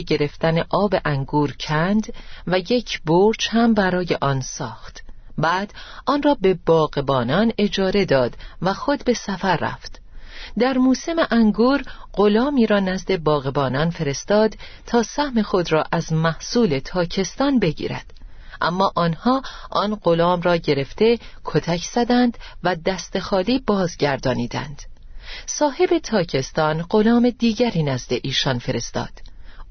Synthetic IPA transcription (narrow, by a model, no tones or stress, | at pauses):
ɟe̞ɾe̞ft̪æne̞ʔɒːbe̞ʔæŋɡuːɾcʰænd̪væje̞cʰboɾt͡ʃhæmbæɾɒːjeʔɒːnsɒːxt̪bæːd̪̥ɒːnrɒːbe̞bɒːɣebɒːnɒːne̞d͡ʒɒːɾe̞d̪ɒːd̪væxo̞d̪be̞sæfæɾːæ̰ft̪ | d̪æɾmuːse̞meʔæŋɡuːɾɢo̞lɒːmiːɾɒːnæzd̪e̞bɒːɣebɒːnɒnfe̞ɾe̞st̪ɒːd̪ | t̪ʰɒːsæhme̞xo̞d̪rɒːʔæzmæhsuːle̞t̪ʰɒːcʰe̞st̪ɒːnbe̞ɟḭːɾæ̰d̪̥ | ʔæ̰mːɒːʔɒːnhɒːʔɒːnɢo̞lɒːmrɒːɟe̞ɾe̞ft̪e̞ | kʰot̪ʰæcʰz̥æd̪ænd̪væd̪æst̪e̞xɒːliːbɒːzɟæɾd̪ɒːniːd̪æ̰nd̪̥ | sɒːhe̞be̞t̪ʰɒːcʰe̞st̪ɒːnɢo̞lɒːme̞d̪iːɟæɾiːnæzd̪e̞ʔiːʃɒːnfe̞ɾe̞st̪ɒ̰ːd̪̥